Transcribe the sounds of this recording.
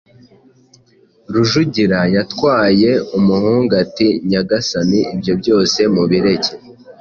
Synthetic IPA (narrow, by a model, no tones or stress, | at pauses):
ɾuʒuɟiɾajatkwaːje̞umuhuːŋɡatiɲaɡasaniibjo̞bɟo̞ːse̞muβiɾe̞ce